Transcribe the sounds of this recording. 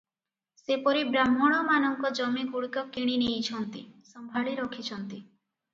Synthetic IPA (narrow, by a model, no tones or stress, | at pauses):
sepɔɾibɾamːɔɽ̃ɔmanɔŋkɔd͡ʒɔmikuɽikɔkiɽ̃inejt͡ʃʰɔnt̪isɔmbʱaɭiɾɔkʰit͡ʃʰɔnt̪i